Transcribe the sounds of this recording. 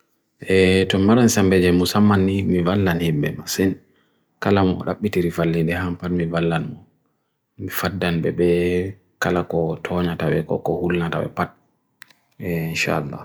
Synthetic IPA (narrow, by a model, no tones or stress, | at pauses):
ʔɛtɔmaɾansambɛd͡ʒɛmusamːanimivalːanhimbɛmasɛn | kalamɔ̰ɗa̰ɓːitiɾifalːindɛhampatmivalːanmɔ | mifadːanbɛ̰ɓɛ | kalakɔtʰɔɲatawɛkɔ̰kɔhulnata̰wɛ̰pat̚ | ɛinʃa̰alːa̰